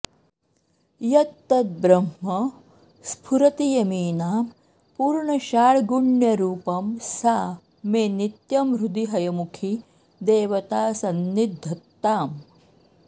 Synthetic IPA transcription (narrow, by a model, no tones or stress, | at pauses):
jɐt̪ːɐt̪̚bɾɐmmɐ | spʰuɾɐt̪ijɐmiːnaːm | puːɾɳɐʃaːɭɡuɳjɐɾuːpɐmsaː | meːnit̪jɐmɾud̪iɦɐjɐmukʰi | d̪eːʋɐt̪aːsɐnːid̪ʱːɐt̪ːaːm